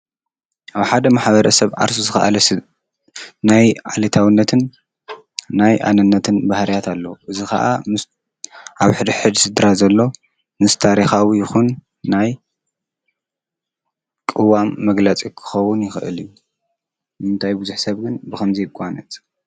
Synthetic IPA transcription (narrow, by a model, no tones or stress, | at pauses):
ʔaβħad̪ɐmaħβɐɾɐsɐβʕa̰ɾsuzɨxa̰ʔa̰lɐs | najʕa̰lɐt̪ʰawɨnːɐt̪ʰɨnː | ajʔa̰nɨnːɐt̪ʰɨnbahlijat̪ʰalːɐʔɨzixɐ̰ʔam | ʔaβħɨd̪ɨħɨd̪sɨd̪ɾazɐlːo̞ | mɨst̪ʰaɾixawijɪxunː | aj | kʼɨwamːɐɡlɐt͡sʼikʰɨ̥xɐwːʊnjɪxʔɨ̰liju | nɨmɨnt̪ʰajbɨzuħsɐβɡɨnbɨkʰɐmzijkʼːanɐt̪ʼ